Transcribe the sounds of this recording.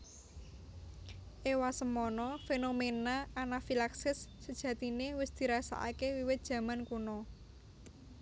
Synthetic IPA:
ʔewasəmɔnɔfenomenaʔːnafilaksɪsːəd̥ʒ̥ä̤t̪inewɪsd̪̥i̤ɾasa̰ʔa̰kewiwɪt̪̚d̥ʒ̥ä̤mankunɔ

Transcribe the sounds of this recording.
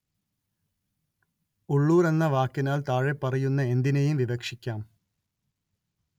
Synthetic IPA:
uɭːuːre̞nːɐʋaːkːinaːlt̪aːɻepːɐrɐjunːɐe̞nd̪inɐjumʋiʋɐkʂikʲːaːm

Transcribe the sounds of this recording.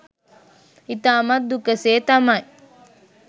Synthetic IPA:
it̪aːmɐd̪ukɐseːt̪amaj

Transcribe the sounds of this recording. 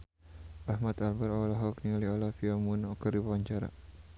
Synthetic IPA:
ʔahmat̪albaɾɔalaɦɔknialiɔlafiamunɔkəribawaɲt͡ʃaɾa̰

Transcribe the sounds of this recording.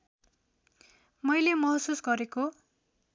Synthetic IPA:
mʌjlemʌɦsusɡʌɾeko

